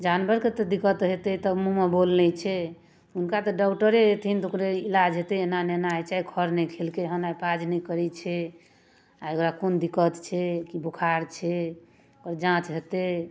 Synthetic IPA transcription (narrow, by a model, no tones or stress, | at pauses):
d͡ʒanbʱəɾket̪ɔd̪ikət̪ɦet̪ɛt̪əmumebolnɛt͡ʃʰɛ | unkat̪ɔɖɔuʈəɾeet̪ʰint̪okɾeilad͡ʒɦet̪ɛenanenajt͡ʃaɦikʰəɾnɛjkʰelkeɦənaipʰad͡ʒnɛjkəɾɛt͡ʃʰɛ | aokɾakond̪ikət̪t͡ʃʰɛkibukʰaɾt͡ʃʰɛ | okɾd͡ʒãt͡ʃɦet̪e